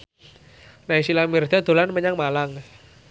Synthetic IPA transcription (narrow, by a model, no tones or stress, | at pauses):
naisilamird̪̥ɔd̪̥o̤lanməɲaŋmalaŋ